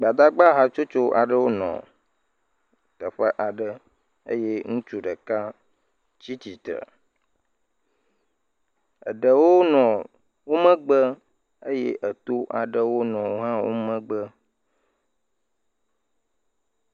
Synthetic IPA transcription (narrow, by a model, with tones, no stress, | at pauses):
ɡ͡ba˨d̪a˦ɡ͡ba˦ɦa˦t͡ʃo˦t͡ʃo˦ʔa˨ɖə˦wo˦nɔ̰̃˨ | t̪ə˨ɸə˦ʔa˨ɖə˦ | ə̰˦je˦ŋũ˦t͡ʃu˦ɖə˨ka˦ | t͡ɕi˦t̪i˨t̪ɾə̰˨ | ə̰˨ɖə˨wo˦nɔ̃˨ | wo˦mə̃˦ɡ͡bə˦ | ə˦jḛ˦ʔə˨t̪o˦ʔa˨ɖə˦wo˦nɔ̃˨wo˦ɦã˦wo̰˦mə̃˦ɡ͡bə˦